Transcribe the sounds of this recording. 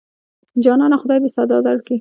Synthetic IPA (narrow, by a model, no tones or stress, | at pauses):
d͡ʒɑnɑnaxʊd̪ɑjd̪əsad̪ɑzaɽki